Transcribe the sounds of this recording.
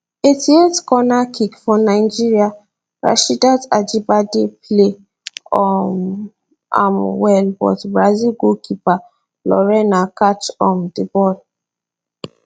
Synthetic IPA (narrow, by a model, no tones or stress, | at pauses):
etietkɔnakikfɔnaɪd͡ʒiɹia | ɹa̰ʃidatad͡ʒibadeple | ɔm | a̰mwɛlbɔ̰tbɹazilɡokipa | lɔɹɛnakat͡ʃɔ̃mdibɔl